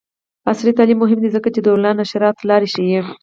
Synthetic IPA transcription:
asɾit̪ɑlimːʊɦɪmd̪izəkat͡ʃed̪əulɑnaʃaɾɑt̪lɑɾeʃije

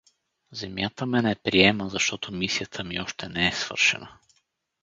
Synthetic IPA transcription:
zɛmjat̪əmɛnɛpɾiɛməzɐʃt̪ɔt̪ʰomisijət̪ʰəmiɔʃt̪ɛnɛɛsv̥ɤ̰ɾʃɛ̰nə

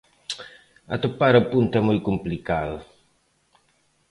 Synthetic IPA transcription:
ɐ̰t̪opaɾapunt̪ɛmojkumplikaðu

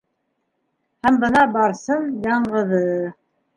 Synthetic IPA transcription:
hæmbɤ̆nɑbɑɾsɤmjɑɴɢɤ̆ðɤ

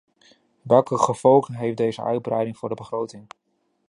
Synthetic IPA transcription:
ʋɛlˠkəχəv̥ɔlˠχənɦejfdejzə̰œ̰ɥd̚brɛjdɪŋv̥ʊːɹdəbəχrowtɪŋ

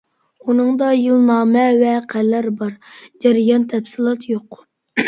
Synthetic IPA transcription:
unɨŋd̪ɑjɨlˠnɑːmɛvɛqʰælːæɾbɑɾd͡ʒɛɾɪjɑnt̪ʰɛpsɨlˠɑt̪ʰjoq

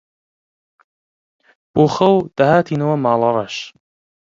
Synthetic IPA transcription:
b̥oːxɐwd̪̥ɐhaːt̪ʰiːnɐwɐmaːlˠɑrˤɑʃ

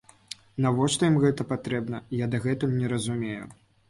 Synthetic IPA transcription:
navɔʂt̪ɔjimɣɛt̪ɐpat̪ɾɛbnɐjad̪ɐɣɛt̪umnʲɛɾɐzumʲejṵ

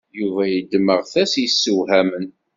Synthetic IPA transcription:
juvæjəd̪məʁθæsjəsːəwhæmən

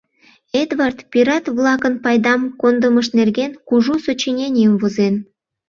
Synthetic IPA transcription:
ed̪vɑrt̪pʲiɾɑt̪βlɑkənpɑjd̪ɑmkond̪əməʃnerɣenkuʒusot͡ɕinʲenʲiəmvozen

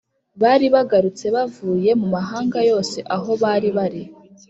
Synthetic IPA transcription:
βaɾiβaɡaɾut͡se̞βavuːje̞mumaɦaːŋɡajo̞ːse̞ʔaɦo̞βaɾiβaɾi

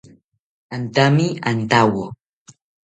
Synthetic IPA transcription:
antamiantawɔ

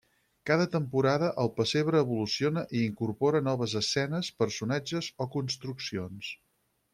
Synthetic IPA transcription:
kaðət̪əmpuɾaðəʔəlˠpəseβɾəːβulusionəʔiiŋkurpɔɾənɔβəzəsɛnəspərsunad͡ʒəzokunst̪ɾuksions

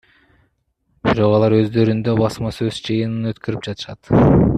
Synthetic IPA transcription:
biɾo̞qɑlˠɑɾø̞zd̪ø̞ɾynd̪ø̞bɑsmɑsø̞zd͡ʒɯjɯnɯnø̞t̪kø̞ɾyp̚d͡ʒɑt̪ɯ̥ʃɑt̪

